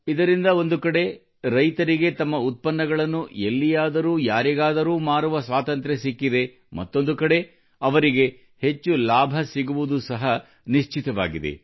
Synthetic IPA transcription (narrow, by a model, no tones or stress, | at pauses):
id̪ɐɾind̪ɐo̞nd̪ukɐɽe̞ | ɾɐjt̪ɐɾiɡe̞t̪ɐmːɐut̪̚pɐnːɐɡɐɭɐnːuelːijaːd̪ɐɾuːjaːɾiɡaːd̪ɐɾuːmaːɾuʋɐsʋaːt̪ɐnt̪ɾesikːid̪e̞ | mɐ̰t̪ːo̞nd̪ukɐɽe̞ | ɐʋɐɾiɡe̞ | he̞t͡ʃːulaːbʱɐsiɡuʋud̪usɐɦɐ | niʃt͡ʃit̪ɐʋa̰ːɡid̪e̞̰